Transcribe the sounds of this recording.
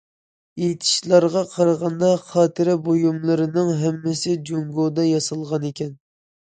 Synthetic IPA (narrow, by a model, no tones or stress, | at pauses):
ejt̪ʰɪ̥ʃlˠɑɾʁɑqʰɑɾʁɑnd̪ɑχɑːt̪ʰɨɾɪbojumlˠɨɾɨnɨŋɦɛmːɪsɪd͡ʒoŋɡod̪ɑjɑsɨlˠʁɑnekʲʰɛn